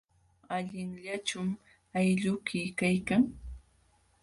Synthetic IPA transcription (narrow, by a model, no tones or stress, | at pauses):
aʎɪŋʎat͡ʃʊm | ajʎʊkɪjkajkaŋ